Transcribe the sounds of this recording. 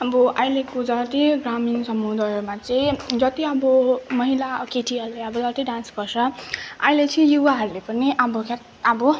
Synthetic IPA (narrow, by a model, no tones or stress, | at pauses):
ʌbʌʔʌjlekod͡zʌt̪iɡraminsʌmud̪ʌjomat͡sʌĩd͡zʌt̪iʌbʌmʌɦilakeʈʰiʌɾuleʌbʌd͡zʌt̪iɖansɡʌrt͡sʰʌa̰jlet͡sʰʌĩjuwaɦʌɾulepʌniʔabʌka | abʌ